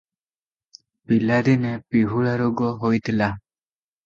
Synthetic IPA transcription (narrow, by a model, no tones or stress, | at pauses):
pilad̪inepiɦuɭaɾuɡɔɦojt̪ʰila